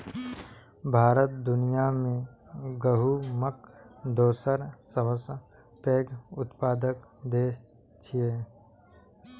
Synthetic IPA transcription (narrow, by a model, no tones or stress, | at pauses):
bʱaːɾət̪̚d̪ʊnijamẽɡəɦuməkd̪oːsəɾsəʋəs | peːɡʊt̪paːd̪əkd̪eːs | t͡ʃʰieː